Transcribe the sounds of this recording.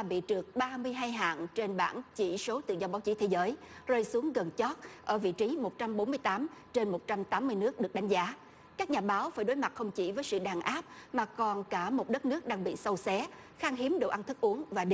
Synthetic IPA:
a˩ɓḭ˧˨t͡ɕɨ˨˩ək̚ɓaː˧mɨ˧əjɦaː˧jɦa̰ː˧˨nt͡ɕe˧nɓaː˧˩nt͡ɕi˧˩so˨˦t̪ɨ̰˧˨zɔ˧ɓaː˨˦wt͡ɕi˨˦t̪ʰe˨˦zəː˨˦j | zəː˧jsu˨˦əŋɣə˨˩nt͡ɕɔ˦˥t̚ʔəː˧˩vḭ˧˨t͡ɕi˨˦mo˨˩t̚t͡ɕa˧mɓo˨˦nmɨ˧əjt̪aː˨˦mt͡ɕe˧nmo˨˩t̚t͡ɕa˧mt̪aː˨˦mːɨ˧əjnɨ˦˥ək̚ɗɨ˨˩ək̚ɗa˨˦ŋ̟zaː˨˦ | kaː˦˥k̚ɲaː˨˩ɓaː˨˦wfaː˧˩jɗo˨˦jma˨˩t̚xə˧wŋ͡mt͡ɕḭ˧˩vəː˨˦jsɨ̰˧˨ɗaː˨˩nʔaː˦˥p̚maː˨˩kɔ˨˩nkaː˧˩mo˨˩t̚ɗə˦˥t̚nɨ˦˥ək̚ɗaː˧ŋɓḭ˧˨sə˧wsɛ˨˦ | xaː˧ŋɦi˨˦əmɗo̰˧˨ʔa˧nt̪ʰɨ˦˥k̚ʔu˨˦əŋvaː˨˩ɗ

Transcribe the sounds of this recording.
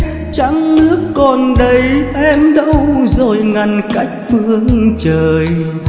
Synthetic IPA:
t͡ɕa˧˦ŋnɨ˦˥əkːɔ˨˩nɗə˨˦jʔɛ˧mɗə˧wzo˨˩jŋa˨˩nka˦˥jk̟̚fɨ˧əŋt͡ɕəː˨˩j

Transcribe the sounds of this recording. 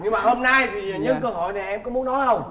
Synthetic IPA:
ɲɨ˧ŋmaː˨˩hoː˧mnaː˧jt̪ʰi˨˩zəː˨˩ɲə̰˨˥kəː˧ɦo˧˨jna˨˩ʔɛ˧mkɔ˨˦mu˨˦ənɔ˨˦hə˧wŋ͡m

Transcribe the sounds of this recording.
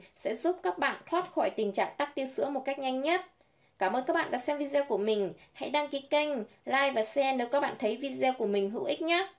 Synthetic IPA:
sɛ̰˧˥zu˦˥p̚kaː˦˥k̚ɓa̰ː˧˨nt̪ʰwaː˦˥t̚xɔ˧˩jt̪ï˨˩ŋ̟t͡ɕa̰ː˧˨ŋt̪aː˦˥k̚t̪i˧əsɨ̰˧˥mo˨˩t̚ka˦˥jk̚ɲa˧jŋ̟ɲə˦˥t̚ | kaː˧˩mʔəː˧nkaː˦˥k̚ɓa̰ː˧˨ɗaː˧˥sɛ˧mvi˧zɛː˧wku˧˩əmï˨˩ŋ̟ha̰˧˥jɗaː˧ŋki˨˦kə˧jŋ̟ | laː˧jvaː˨˩sɛ˧neː˨˦jkaː˦˥ɓa̰ː˧˨nt̪ʰə˨˦jvi˧zɛ˧ku˧˩əmï˨˩ŋ̟ɦɨ̰˧˥wʔï˦˥k̚ɲaː˦˥

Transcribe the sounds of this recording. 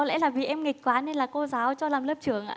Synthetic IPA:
ɔ˨˦lɛ̰˧˥laː˨˩vi˨˩ʔɛ˧mŋi˨˩k̟̚kwaː˨˦ne˧nlaː˨˩ko˧zaː˨˦wt͡ɕɔ˧laː˨˩mləː˦˥p̚t͡ɕɨ˧˩əŋʔa̰ː˧

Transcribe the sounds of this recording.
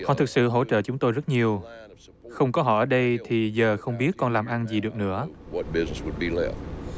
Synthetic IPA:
hɔ̰˧˨t̪ʰɨ˨˩k̚sɨ̰˧˨ɦo̰˧˥t͡ɕə̰ː˧˨t͡ɕʊ˨˦ŋ͡mt̪o˧jzə˦˥t̚ɲi˨˩əw | xə˧wŋ͡mkɔ˨˦ɦɔ̰˧˩ʔəː˧˩ɗə˧jt̪ʰi˨˩zəː˨˩xə˧wŋ͡mɓi˦˥ət̚kɔ˧nlaː˨˩mʔa˧nzi˨˩ɗɨ˨˩ək̚nɨ̰˧˥əwʌt̚b̥ɪznəswəd̚bilɛ̰ft̚

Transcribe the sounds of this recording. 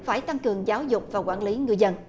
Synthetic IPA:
faː˧˩jt̪a˧ŋkɨ˨˩əŋzaː˨˦wzʊ˨˩k͡p̚vaː˨˩wkwaː˧˩nli˨˦ŋɨ˨˩əjzə˧n

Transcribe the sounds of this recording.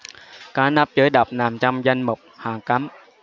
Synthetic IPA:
kaː˨˦na˦˥p̚t͡ɕəː˨˦jɗə˨˩wk͡p̚naː˨˩mt͡ɕa˧mza˧jŋ̟mʊ˨˩k͡p̚haː˨˩ŋka˨˦m

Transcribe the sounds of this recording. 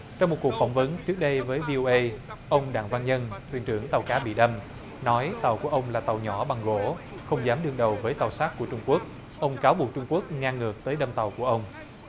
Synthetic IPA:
t͡ɕɔ˧wŋ͡mmo˨˩t̚ku˨˩kfa˧˩wŋ͡mvə˨˦nt͡ɕɨ˦˥k̚ɗə˧jvəː˨˦jvi˧ʔo˧ʔə˧jʔə˧wŋ͡mɗa̰ː˧˨ŋvaː˧nɲə˧nt̪wḭ˨˩ənt͡ɕɨ˧˩əŋt̪a˨˩wkaː˨˦ɓḭ˧˨ɗə˧m | nɔ˨˦jt̪a˨˩wku˧˩əʔə˧wŋ͡mlaː˨˩t̪a˨˩wɲɔ˧˩ɓa˨˩ŋɣo˧˩˨ | xə˧wŋ͡mzaː˨˦mɗɨ˧ŋɗə˨˩wvəː˨˦jt̪a˨˩wsaː˦˥k̚kːu˧˩ət͡ɕʊ˧ŋ͡mku˦˥ək̚ | ʔə˧wŋ͡mkaː˨˦wɓu˨˩ək̚t͡ɕʊ˧ŋ͡mku˦˥ək̚ŋaː˧ŋɨ˨˩ək̚t̪əː˨˦jɗə˧mt̪a˨˩wku˧˩əʔə˧wŋ͡m

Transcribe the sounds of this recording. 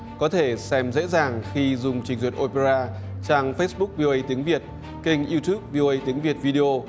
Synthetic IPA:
kɔ˨˦t̪ʰe˧˩sɛ˧mzḛ˧˥zaː˨˩ŋxi˧zʊ˨˩ŋ͡mt͡ɕï˨˩˦ŋ̟zwtʔo˧pe˧zaː˧ | t͡ɕaː˧ŋfə˦˥sɓʊ˦˥k̚vi˧o˧ʔə˧jt̪i˨˦əŋvi˨˩ət̚ | kï˧ŋ̟ʔi˧t̪ju˦˥p̚vi˧o˧ʔə˧jt̪i˨˦əŋvi˨˩ət̚vi˧ɗi˧ʔo˧

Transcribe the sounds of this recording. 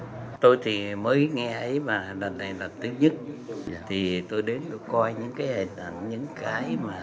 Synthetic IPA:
t̪o˧jt̪ʰi˨˩məː˨˦jŋɛ˧ʔə˨˦jmaː˨˩lə˨˩nːa˨˩jlaː˨˩p̚t̪i˨˦ɲɨ˦˥t̚t̪ʰi˨˩t̪o˧jɗe˨˦nɗɨ˨˧˩kɔ˧jɲɨ̰˧˥ŋkaː˨˦jhe˨˩nʔa˧˩ŋɲɨ̰˧˥ŋkaː˨˦jmaː˨˩

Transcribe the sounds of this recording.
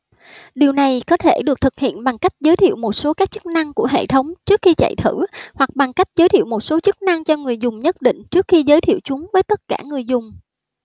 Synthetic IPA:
ɗi˨˩əwna˨˩jkɔ˨˦t̪ʰe˧˩ɗɨ˨˩ək̚t̪ʰɨ˨˩k̚hḭ˧˨ənɓa˨˩ŋka˦˥jk̟̚zəː˨˦jt̪ʰḭ˧˨əwmo˨˩t̚so˨˦kaː˦˥k̚t͡ɕɨ˦˥k̚na˧ŋku˧˩əɦḛ˧˨t̪ʰə˨˦wŋ͡mt͡ɕɨ˦˥ək̚xi˧t͡ɕa̰˧˨jt̪ʰɨ˧˩hwa˨˩k̚ɓa˨˩ŋka˦˥jk̟̚zəː˨˦jt̪ḭ˧˨wmo˨˩t̚so˨˦t͡ɕɨ˦˥k̚na˧ŋt͡ɕɔ˧ŋɨ˨˩əjzʊ˨˩ŋ͡mɲə˦˥t̚ɗḭ̈˧˨ŋ̟t͡ɕɨ˦˥ək̚xi˧zəː˨˦jt̪ʰḭ˧˨əwt͡ɕʊ˨˦ŋ͡mvəː˨˦jt̪ə˦˥t̚kaː˧˩ŋɨ˨˩əjzʊ˨˩ŋ͡m

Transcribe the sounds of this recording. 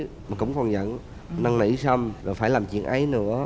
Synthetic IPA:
maː˨˩kʊ̰˧˥ŋ͡mkɔ˨˩nzə̰˧˨n | nə˧ŋnḭ˧˥sə˧mzoː˨˩faː˧˩jlaː˨˩mt͡ɕwḭ˧˨ənʔa˨˦jnɨ̰˧˥ə

